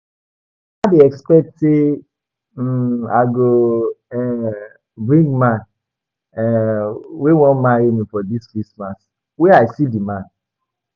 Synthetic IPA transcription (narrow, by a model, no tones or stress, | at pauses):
abeɛkspɛk̚tse | a̰ɪɡoɛ | bɹĩŋɡmãn | ɛ | wewɔ̃nmaɹimĩfɔdiskɹismas | weaɪsidimãn